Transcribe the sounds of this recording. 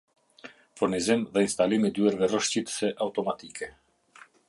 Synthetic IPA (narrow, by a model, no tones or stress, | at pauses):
fuɾnizimðɛinst̪alimid̪yɛɾvɛrəʃcit̪ə̥sɛʔaut̪ɔmat̪ikɛ